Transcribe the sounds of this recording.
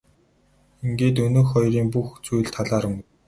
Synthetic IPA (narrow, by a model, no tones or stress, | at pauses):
iŋɡeːt̪̬ɵnɵ̆ːxɔjɾiːŋpuxt͡sujɮt̪ʰaɮaːɾə̆ŋ